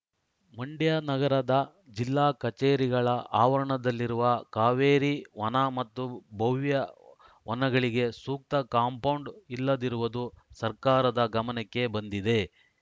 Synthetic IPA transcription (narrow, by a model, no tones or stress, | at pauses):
mɐɳɖjanɐɡɐɾɐd̪ɐ | d͡ʒilːaːkɐt͡ʃeːɾiɡɐɭɐʔaːʋɐɾɐɳɐd̪ɐlːiɾuʋɐkaːʋeːɾiʋɐnɐmɐt̪ːubʱɐʋjɐ | ʋɐnɐɡɐɭiɡe̞suːk̚t̪ɐkaːmpɐwɳɖilːɐd̪iɾuʋɐd̪usɐɾkaːɾɐd̪ɐɡɐmɐnɛkːe̞bɐnd̪id̪e̞